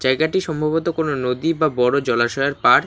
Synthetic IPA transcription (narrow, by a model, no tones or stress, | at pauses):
d͡ʑaeɡaʈiʃɔmbʱaβot̪okononod̪ibabɔɾod͡ʑɔlaʃɔaɾpaɾ